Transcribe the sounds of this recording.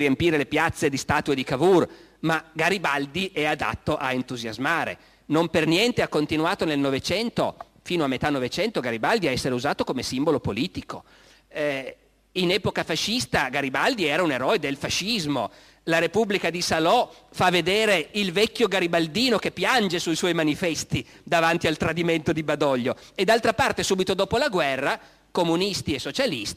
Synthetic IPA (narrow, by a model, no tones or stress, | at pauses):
iempiːɾelepjat̪sːed̪ist̪aːt̪ued̪ikavur | maɡaɾibald̪iʔɛad̪a̰t̪ːoʔaent̪uzjazmaːɾḛ | nompernjɛnt̪eakːont̪inwaːt̪onelnovet͡ʃɛnt̪o̰ | fiːnoamːet̪anːovet͡ʃɛnt̪oɡaɾibald̪iaɛsːeɾeuzaːt̪okomesimbolopoliːt̪iko̰ | inɛːpokafaʃːist̪aɡaɾibald̪iɛːɾauneɾɔːed̪elfaʃːizmo | laɾepublikad̪isalɔfavːed̪eːɾeilvɛkʲːjoɡaɾibald̪iːnokepːjand͡ʒesuiswɔjmanifɛst̪i | d̪avant̪ialt̪ɾad̪iment̪od̪ibad̪ɔʎːo | ed̪alt̪ɾapart̪esuːbit̪od̪oːpolaɡwɛrːa | komunist̪iesːot͡ʃalist̪i